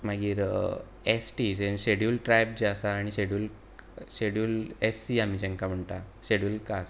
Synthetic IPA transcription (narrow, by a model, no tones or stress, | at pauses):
m̤aɡiːɾ | esʈid͡ʑenɕeɽjulʈɾajb̚d͡ʑiasaːɽ̃iɕeɽjuːl | ɕeɽjuːlesːiamiːd͡ʑɛ̃ŋkam̤əɳt̪aɕeɽjuːlkas